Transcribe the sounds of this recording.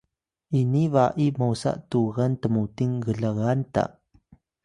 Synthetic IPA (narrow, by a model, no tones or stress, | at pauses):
ʔinivaʔimawsa̰ʔtuɣantəmutiŋɡəɮaɣanta̰